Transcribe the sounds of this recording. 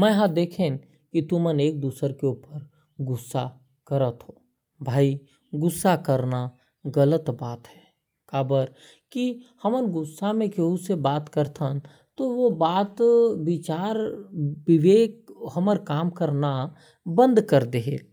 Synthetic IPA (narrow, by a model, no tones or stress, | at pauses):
mɛ̃ɦãd̪eːkʰẽːn | kit̪uməneːk̚d̪uːsəɾkeuːpəɾ | ɡʊsːa̰ | kəɾət̪ɦoː | bʱaːi | ɡʊsːakəɾna | ɡələt̪baːt̪ɦɛː | kaːbəɾ | kihɐmənɡʊsːamẽkeusebaːt̪kəɾt̪ʰan | t̪oʋobaːt̪ʋɪt͡ʃaːɾʋɪʋeːkhɐməɾkaːmkəɾna | bə̃nd̪kəɾd̪eɦeː